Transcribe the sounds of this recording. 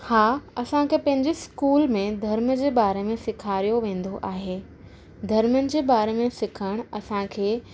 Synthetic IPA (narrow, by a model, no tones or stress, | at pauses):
haːɐsãkʰepɐ̃ɦɪ̃ɲd͡ʑɪskuːlmẽd̪ʱɐɾməd͡ʑeːbaːɾemẽsɪkʰaːɾijoʋẽːn̆d̪oʔaːɦeː | d̪ʱɐɾmənɪ̆d͡ʑeːbaːɾemẽsɪkʰəɽ̃ɐsãkʰeː